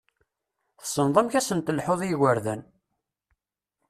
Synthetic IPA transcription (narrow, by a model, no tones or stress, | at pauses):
θə̥sənðˤəmçæsənt̪əlħoðˤjiɣəɾðæn